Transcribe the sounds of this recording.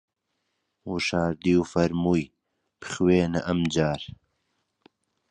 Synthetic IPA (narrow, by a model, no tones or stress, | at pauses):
uʃaːɾd̪iːwfɐɾmuj | pχweːnɐʔɐmd͡ʒaːɾ